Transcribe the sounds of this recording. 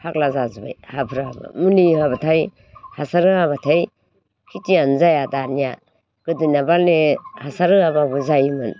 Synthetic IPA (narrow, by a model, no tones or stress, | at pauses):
hak̚lazazba̰jhapʰɾaba̰munihabatʰaj | hasaɾɯaβatʰaj | kʰitianzajadanija | ɡ̥ɯdinabalnehasaɾɯababuzajmɯn